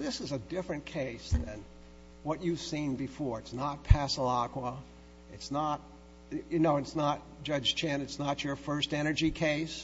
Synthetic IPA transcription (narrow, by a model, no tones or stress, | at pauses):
ðɪsɨzɨdɪfɹɨ̃nkʰeɪsðɨ̃n | wʌt͡ʃɨv̥sĩnbɨfɔɹɨtsnət̚pʰæsəlɑkwə | ɨtsnət̚ | jɨnoʊɨtsnət̚d̥ʒ̥ʌ̥d͡ʒ̥t͡ʃʰæ̃nɨtsnət͡ʃə˞fɜ˞stɛɾ̃ə˞d͡ʒikʰeɪs